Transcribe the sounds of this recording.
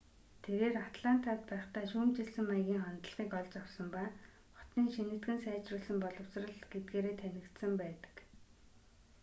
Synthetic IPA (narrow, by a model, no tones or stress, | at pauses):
t̪ʰeɾeːrat̪ɮan̥t̪aːt̪̚pæːχt̪æːʃuːmt͡ɕiɮsɘ̆mːajɣʲiːŋχɔnt̪ə̆ɮʁ̥iːkɔɮt͡ɕaw̥sɞ̆mpaː | χɔ̥t̪niːŋʃinɘ̆t̪ɡɘ̆nsæːt͡ɕrʊːɮsə̆mpɔɮɞ̆w̥srə̆ɮɡet̪̚ɡeːɾeːt̪ʰænʲɪ̆kt̪sə̆mpæːt̪ə̥̆k